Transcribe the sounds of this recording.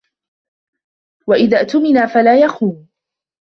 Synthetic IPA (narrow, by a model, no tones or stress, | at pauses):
waʔɪðaːʔt̪ʊmɪnaːfalaːjaxuːm